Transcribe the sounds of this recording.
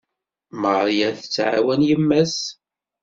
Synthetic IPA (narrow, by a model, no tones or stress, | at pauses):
məʁɾˤjæθt͡sːʕa̰wænjəmːæs